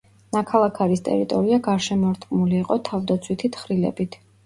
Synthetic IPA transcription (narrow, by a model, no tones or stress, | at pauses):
nakʰalˠakʰaɾist̪ʼɛ̰ɾit̪ʼɔɾiaɡaɾʃɛmɔɾt̪ʰʼqʼmuliːqʼɔt̪ʰavd̪at̪sʰwit̪ʰit̪ʰχɾilɛ̰bit̪ʰ